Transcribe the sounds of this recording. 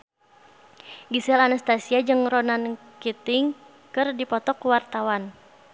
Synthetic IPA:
ɡisɛlanast̪asiad͡ʒɨŋrɔnankit̪ɪŋ | kɨrdipɔt̪ɔkuwart̪awan

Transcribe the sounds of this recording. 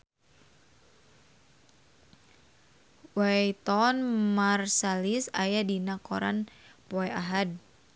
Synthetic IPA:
wajt̪ɔnmarsalisajadinakɔɾa̰npɔɛʔaɦad̚

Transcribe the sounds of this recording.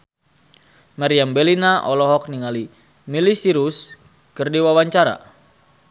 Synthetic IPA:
maɾiambɛlinaʔɔlɔɦɔk̚niŋali | milisiɾus | kɨrdiwawaɲt͡ʃaɾa̰

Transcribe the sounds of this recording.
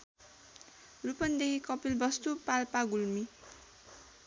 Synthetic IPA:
rupʌnd̪ekʰikʌpilbʌst̪upalpaɡulmi

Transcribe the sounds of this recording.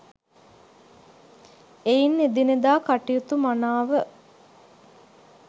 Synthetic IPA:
ejinːed̪ined̪aːkaʈijut̪umanaːʋə

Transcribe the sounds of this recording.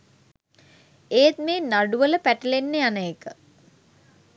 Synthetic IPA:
eːt̪̚meːnaɖuʋələpæʈəlenːejanəekə

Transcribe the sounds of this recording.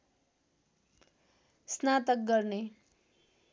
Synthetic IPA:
snat̪ʌk̚ɡʌrne

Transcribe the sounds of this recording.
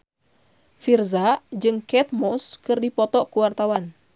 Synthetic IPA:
firzad͡ʒɨŋkɛt̪̚mɔskɨrdipɔt̪ɔkuwart̪awan

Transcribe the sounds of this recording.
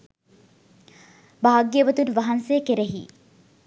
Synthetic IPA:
baːaɡːieʋɐt̪unʋaɦɐnseːkeɾeɦḭː

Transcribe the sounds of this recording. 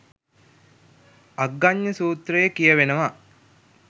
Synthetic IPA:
aɡːaɲːəsuːt̪ɾəjekijəʋenəʋa

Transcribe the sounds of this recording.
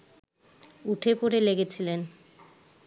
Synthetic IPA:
uʈʰepoɾeleɡet͡ɕʰilen

